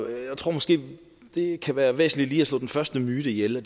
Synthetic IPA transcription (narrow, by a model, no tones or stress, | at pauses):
jäɪt͡sʰʁo̝ɐ̰mɒ̽sɡ̥e̝̰ː | d̥e̝kʰæʋæːɐʋḛːsn̩lid̥liːæslɔ̰ːd̥enfɶɐsd̥əmyːɾ̥əijelɒd̥